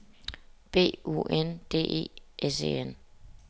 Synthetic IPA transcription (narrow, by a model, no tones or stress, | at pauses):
b̥e̝̰ːṵʔend̥e̝̰ːʔe̝̰ːʔese̝̰en